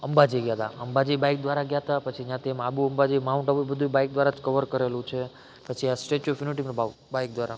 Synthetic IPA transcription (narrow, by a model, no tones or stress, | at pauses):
əmbad͡ʒiɡjat̪a̰əmbad͡ʒibajk̚d̪ʋaɾaɡjat̪apət͡ʃʰid͡ʒjãt̪ʰiɛmabũəmbad͡ʒimauɳʈabubəd̪ʱubajk̚d̪ʋaɾad͡ʒkəʋəɾkəɾelũt͡ʃʰe | pət͡ʃʰiasʈet͡ʃufʰjuniʈiməɾba | baik̚d̪ʋaɾa